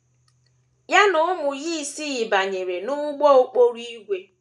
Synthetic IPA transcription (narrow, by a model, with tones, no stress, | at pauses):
ja˦nʊ˨ʊ˦mʊ˨ji˦˨si˦ɣɪ˨ba˨ɲe˨ɾe˨nʊ˦ɡ͡bɔ˦o˦k͡po˦ɾi˦ɡʷe˦